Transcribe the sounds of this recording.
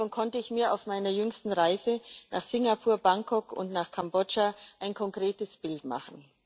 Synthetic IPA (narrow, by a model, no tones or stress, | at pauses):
ɔnkʰɔntəɪçmiːɐaʊfmaɪnɐjʏŋstn̩ʁaɪzəna̰ːχsɪŋapʰuːɐbaŋkʰɔkʊ̰ntnaːχkʰambɔd͡ʒaʔaɪnkʰɔŋkʁ̥eːtəsb̥ɪltma̰χn̩